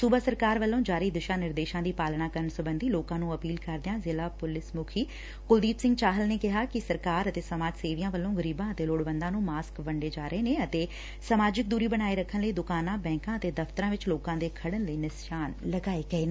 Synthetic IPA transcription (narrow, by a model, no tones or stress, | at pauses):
suːbaːsəɾkaːɾʋəlːõːd͡ʒaːɾiːd̪ɪʃãːnɪɾd̪eːʃãːd̪iːpaːlɳaːkəɾəɳsʊbənd̪iːloːkãːnũːəpiːlkəɾd̪ɪjãːzɪlaːpʊlɪsmʊkʰiː | kʊld̪iːpsɪ̃ŋɡt͡ʃaːɦəlneːkɪɦaːkɪsəɾkaːɾət̪eːsəmaːd͡ʒseːʋijãːʋəlːõːɡəɾiːbãːət̪eːloːɽʋə̃nd̪ãːnũːmaːskʋəɳɖeːd͡ʒaːɾəeːneːət̪eː | səmaːd͡ʒɪk̚d̪uːɾiːbəɽ̃aːiɾəkʰːənləiːd̪ʊkaːnãːbɛ̃ːŋkãːət̪eːd̪əft̪əɾãːʋɪt͡ʃloːkãːd̪eːkʰəɽənləiːnɪsʃaːnləɡaːeːɡəeːn